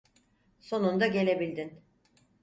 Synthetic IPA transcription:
so̞nund̪aɟe̞lʲe̞bilʲd̪in

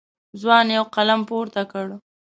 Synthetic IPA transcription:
zwɑnjawqalampoɾt̪akəɽ

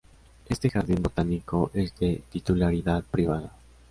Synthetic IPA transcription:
e̞st̪e̞xaɾðimbo̞t̪aniko̞ʔe̞zd̪et̪it̪ulaɾiðaðpɾiβ̞aða

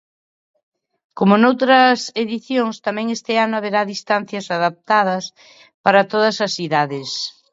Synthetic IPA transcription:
komonowt̪ɾɐseðiθjoŋst̪amɛ̃ŋest̪eanoaβeɾaðist̪an̟θjɐsaðap̚t̪að̞ɐs | paɾɐt̪oðɐsɐsiðaðes

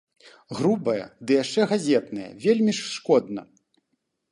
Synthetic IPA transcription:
ɣɾubɐjɐ̰d̪ɨjaʂt͡ʂɛɣazʲɛt̪nɐjɐ̰vʲelʲmʲiʂːkɔd̪nɐ̰

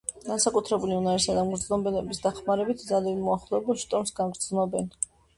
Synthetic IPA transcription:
ɡ̥ansakʼut̪ʰɾɛbuliunaɾisad̪amɡɾd̪zlɔmbɛlɛbisd̪aχmaɾɛbit̪ʰd̪zalianmɔaχlˠɔɛbulˠʃt̪ʼɔɾmsɡaɡɾd̪znɔbɛn

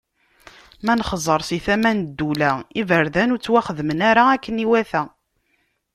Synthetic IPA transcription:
mænχzˤəɾˤsiθæmænd̪ːulæivəɾðænuɾt͡sːwæχəðmənaɾaækːəniwæθæ

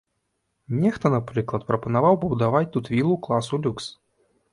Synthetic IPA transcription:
nʲɛxt̪ɔnapɾɨklˠɐt̪pɾɐpɐnavawbuwd̪avat͡sʲt̪ut̪vʲilˠuklˠasulʲuks

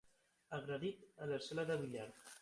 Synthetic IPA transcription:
aɣɾaðit̪alesɛlaðaβiʎaɾ

